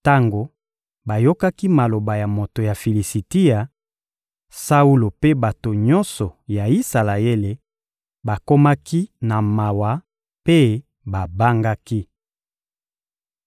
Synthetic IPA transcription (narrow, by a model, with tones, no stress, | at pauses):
ta˦ŋɡo˨ | ba˨jo˦ka˦ki˦ma˨lo˨ba˨ja˨mo˨to˨ja˨fi˨li˨si˨ti˦ja˨ | sa˦u˦lo˨pe˦ba˨to˨ɲɔ˦nsɔ˨ja˨i˦sa˨la˨e˦le˨ | ba˨ko˦ma˦ki˦na˨ma˨wa˨ | pe˦ | ba˨ba˦ŋɡa˦ki˦